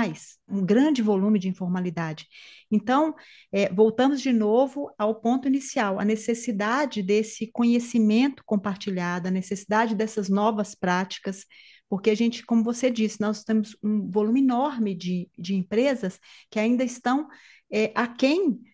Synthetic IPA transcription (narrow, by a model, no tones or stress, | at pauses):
ajsũɡɾɐ̃d͡ʒɪvolũmɪd͡ʒɪĩfoɾmalid̪ad͡ʒɪẽnt̪ɐ̃w̃ | ɛvowt̪ɐ̃mʊzd͡ʒɪnovʊawpõnt̪ʊinisiawɐ̰nesesid̪ad͡ʒɪd̪esɪkõɲesimẽnt̪ʊ̥kõpaɾt͡ʃiʎad̪ʊɐnesesid̪ad͡ʒɪd̪ɛsɐznɔvɐspɾat͡ʃi̥kɐs | poɾkeaʒẽnt͡ʃɪ̥kõmʊvosed͡ʒisɪnɔst̪ẽmʊzũvolũmɪinɔɾmɪd͡ʒɪd͡ʒɪẽpɾezɐskɪaĩnd̪ɐist̪ɐ̃w̃ | ɛʔakẽj̃